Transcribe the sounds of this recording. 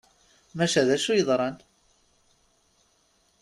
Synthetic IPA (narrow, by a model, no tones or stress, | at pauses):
mæʃæðæʃujəðˤɾˤɑn